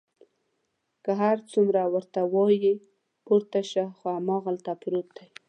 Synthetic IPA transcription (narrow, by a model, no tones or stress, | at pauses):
kaɦaɾt͡sumɾawəɾt̪awɑji | poɾt̪aʃaxoamɑɣalt̪apɾot̪̚d̪aj